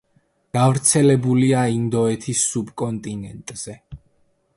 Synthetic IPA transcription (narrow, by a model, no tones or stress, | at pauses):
ɡ̥avɾt̪sʰɛlɛbuliaind̪ɔɛt̪ʰisːubkʼɔnt̪ʼinɛnt̪ʼz̥ɛ